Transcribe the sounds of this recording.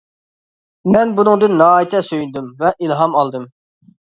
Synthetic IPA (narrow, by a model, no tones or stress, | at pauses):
mɛnbunɨŋd̪ɨnːɑːjit̪ʰɛsøjynd̪ymvɛʔilˠɦɑmɑlˠd̪ɨm